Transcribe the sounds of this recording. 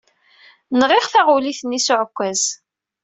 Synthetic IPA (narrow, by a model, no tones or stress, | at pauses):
nʁiʁθæʁuliθnːisʊʕkʷːæz̥